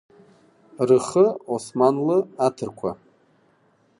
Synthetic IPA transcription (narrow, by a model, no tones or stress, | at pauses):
rɨχəosmanlɨatʰɨrkʷʰa